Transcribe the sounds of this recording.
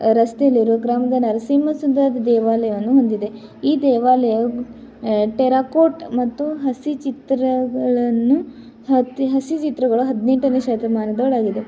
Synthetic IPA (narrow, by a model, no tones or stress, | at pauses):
ɾɐst̪eɐlːiɾuɡɾaːmɐd̪ɐnɐɾɐsiːmɐsund̪ɐd̪d̪ɛːʋaːlɐjɐʋɐnːuɦond̪id̪e̞ | iːd̪ɛːʋaːlɐjɐ | ʈeɾaːkoːʈmɐt̪ːuɦɐsit͡ʃit̪ɾɐɡɐɭɐnːu | ɦɐtiɦɐsit͡ʃit̪ɾɐɡɐɭuɦɐd̪neɳʈɐneːʃɐːt̪ɐmaːnɐd̪ɐɭaːɡid̪e